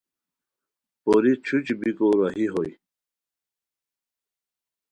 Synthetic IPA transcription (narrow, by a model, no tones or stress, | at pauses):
poɾit͡ɕʰut͡ɕbikoɾaɦiɦoj